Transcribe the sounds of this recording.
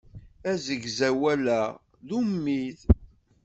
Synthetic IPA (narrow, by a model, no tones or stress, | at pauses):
æzəɡzæwælæ | ðumːið